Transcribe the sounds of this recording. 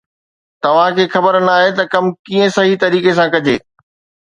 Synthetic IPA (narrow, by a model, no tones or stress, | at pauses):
t̪ɐʋ̤ãkʰeːxɐbəɾnaːɦet̪ɐkɐmkiːə̃sɐɦit̪ɐɾiːkes̬ãkɐd͡ʑḛː